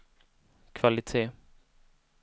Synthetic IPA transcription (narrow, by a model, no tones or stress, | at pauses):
kʰvalɪt̪ʰeː